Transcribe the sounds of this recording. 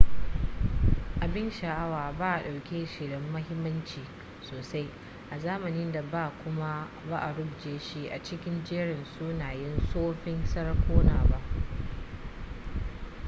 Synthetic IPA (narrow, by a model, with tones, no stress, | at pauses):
ʔa˨bɪ˦nʃa˨ʔa˦waː˨baː˦ʔa˨ɗa˨wkʲe˦ʃɪ˨ɽɪ˦mːɐ˦ɦɪ˦mːɐ˦nt͡ʃiː˨ | soː˨sa˦j | ʔa˨zaː˦mɐ˨nɪ˦nda˨baː˦˨kʷʊ˦ma˦ | ba˦ʔa˨ɽʊ˦bd͡ʒeː˨ʃi˦ʔa˨t͡ʃɪ˦kʲɪ˦nd͡ʒeː˦ɽɪ˨nsu˦naː˨jɪ˦nsoː˦ɸɪ˦nsɐ˦ɽkʷʰoː˦naː˨ba˦ʔ